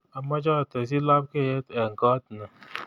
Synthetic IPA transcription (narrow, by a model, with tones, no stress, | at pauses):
a˨ma˦d͡ʒa˦˨te˨s̬i˦la˦p̚ke˦˨je˦tɛ˨ŋ̩˨kɔ˦tna˨